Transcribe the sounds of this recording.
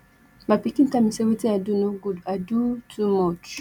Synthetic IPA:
bapikĩntamĩsewetiadunoɡudadutʰumɔt͡ʃ

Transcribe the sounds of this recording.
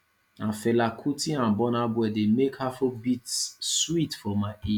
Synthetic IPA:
ãnfelakʰutĩãbɔnabwɛdemekhafobitswitfɔmaɪʔi

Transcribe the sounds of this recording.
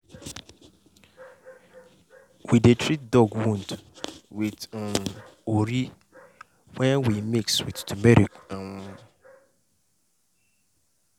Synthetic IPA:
widetʰɹit̚dɔɡwũndwit | oɾi | wɛ̃nwimikswitdumɛɾikawʊ̃

